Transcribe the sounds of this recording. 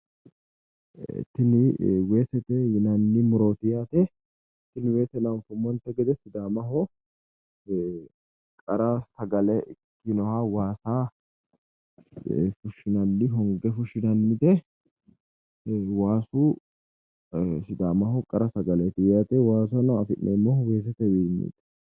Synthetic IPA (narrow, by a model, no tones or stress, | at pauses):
t̪ːɪnɪweːsɛt̪ɛjɪnɐnːɪmʊɾoːt̪ɪjaːt̪ɛ | t̪ːɪnɪweːsɛnɐnfʊmɔnt̪ɛɡɛd̪ɛsɪd̪aːmɐɦɔ | kʼɐɾɐsɐɡɐlɛ | kːɪnɔhaːwaːsaː | fʊʃːɪnɐnːɪɦɔŋɡɛfʊʃɪnɐnmɪd̪ɛ | waːsu | sɪd̪aːmɐhɔkʼɐɾɐsɐɡɐlɛt̪ɪjaːt̪ɛwaːs̬ɐnɐɐfɪnʔɛːmːɔwe̞ːs̬ɛt̪ɛjimːḭt̪ɛ̥